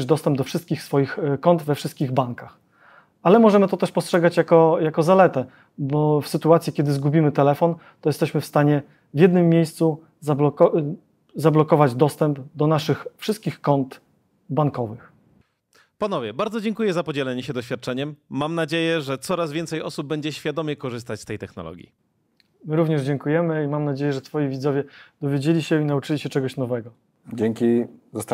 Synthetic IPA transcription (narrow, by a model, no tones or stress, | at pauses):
ʐd̪ɔst̪ɛmb̚d̪ɔfʂɘst̪̚kʲixsfɔjixkɔnd̪vɛfʂɘst̪̚kʲiɣbaŋkax | alɛmɔʐɛmɘt̪ɔt̪ɛʂpɔstʂɛɡat͡ɕjakɔjakɔzalɛt̪ɛ | bɔfsɘt̪uat̪sʲjikʲɛd̪ɘzɡubʲimɘt̪ɛlɛfɔn | t̪ɔjɛst̪ɛɕmɘfst̪aɲɛ | vʲjɛd̪nɘmːjejst̪su | zablɔkɔ | zablɔkɔvad͡ʑd̪ɔst̪ɛmbd̪ɔnaʂɘxfʂɘst̪̚kʲixkɔnt̪ | baŋkɔvɘx | panɔvʲjɛbaɾd̪zɔd͡ʑɛŋkujɛzapɔd͡ʑɛlɛɲɛɕɛd̪ɔɕfʲat̪̚t͡ʂɛɲɛmːamnad͡ʑejɛʐɛt̪sɔɾazvʲjɛnt̪sɛjɔsub̚bːɛɲd͡ʑɛɕfʲjad̪ɔmʲjɛkɔʐɘst̪at͡ɕst̪ɛjt̪ɛxnɔ̰lɔ̰ɡʲjḭ | mɘɾuvɲɛʐd͡ʑɛŋkujɛmɘimamnad͡ʑejɛʐɛt̪fɔjivʲid̪zɔvʲjɛd̪̥ɔvʲjed͡ʑelʲiɕɛinaut͡ʂɘlʲiɕɛt͡ʂɛɡɔɕnɔvɛɡɔ | d͡ʑɛŋkʲizast̪